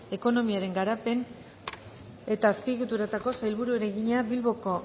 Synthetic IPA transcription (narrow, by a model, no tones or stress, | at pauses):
e̞ko̞no̞miaɾe̞ŋɡaɾape̞n | e̞t̪aːspiɣut̪uɾat̪ako̞sajlβuɾue̞ɾeɣiɲaβilβo̞ko